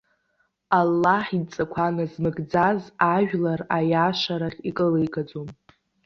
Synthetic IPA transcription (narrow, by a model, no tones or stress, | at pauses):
alːaħit͡sʼakʷʰanazmɨɡd͡zazaʒᶣlarajaʃaɾaχʲikʼəlejkʼad͡zom